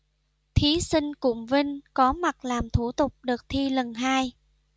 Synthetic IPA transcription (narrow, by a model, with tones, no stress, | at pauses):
t̪ʰi˨˦sï˧ŋ̟kʊ̰˧˨ŋ͡mvï˧ŋkɔ˨˦ma˨˩t̚laː˨˩mt̪ʰu˧˩t̪ʊ˨˩k͡p̚ɗɨ˨˩ək̚t̪ʰi˧lə˨˩nɦaː˧j